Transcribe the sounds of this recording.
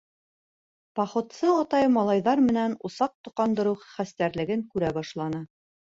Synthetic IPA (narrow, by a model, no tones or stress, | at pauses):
pɑχŏt̪sɤɑt̪ɑjmɑlˠɑjðɑɾmɘ̆nænusɑq̚t̪ŏqɑnd̪ɤ̆ɾɤwχχæst̪æɾlɘ̆ɡɘŋkʉɾæbɑʃlˠɑnɤ